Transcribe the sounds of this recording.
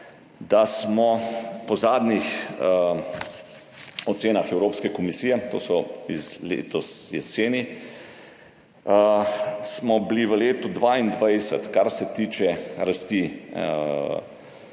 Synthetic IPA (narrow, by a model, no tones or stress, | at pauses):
d̪asmɔpɔzaːd̪nix | ɔt̪seːnaxɛwɾoːpskɛkɔmisiːjɛt̪o̰ːsɔizlḛːt̪ɔsjɛ̰t̪seːni | smɔbliʋəleːt̪ud̪ʋaːind̪ʋajsə̰t̪kaɾsɛt̪iːt͡ʃɛɾast̪i